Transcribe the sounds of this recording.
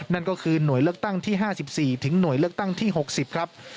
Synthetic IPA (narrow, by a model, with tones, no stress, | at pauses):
na˥˩nkɔː˥˩kʰɯː˧nu˨˩˦əjlɯ˥˩ək̚t̪a˥˩ŋt̪ʰiː˥˩ɦaː˥˩si˨˩p̚siː˨˩t̪ʰɯ˩˦ŋnu˨˩˦əjlɯ˥˩ək̚t̪a˥˩ŋt̪ʰiː˥˩ɦo˨˩k̚si˨˩p̚kʰɾa˦˥p̚